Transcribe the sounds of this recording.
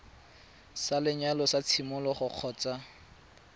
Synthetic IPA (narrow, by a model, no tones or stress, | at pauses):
salɪɲalɔsat͡sʰimʊlɔχʊq͡χʰɔːt͡sʼa